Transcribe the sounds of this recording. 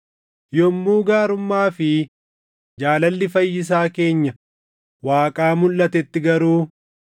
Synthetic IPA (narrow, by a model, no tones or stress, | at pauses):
jɔmːuːɡaːɾʊmːaːfɪ | d͡ʒaːlɐlːɪfɐjːɪs̬aːke̞ːɲːɐ | waːkʼaːmʊlːɐt̪ɛt̪ːɪɡɐɾuː